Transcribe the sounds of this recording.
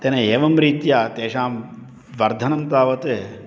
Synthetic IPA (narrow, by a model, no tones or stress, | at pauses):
t̪eːnɐeːʋɐmɾiːt̪jaːt̪eːʃaːm | ʋɐɾd̪ʱɐnɐmt̪aːʋɐt̪eː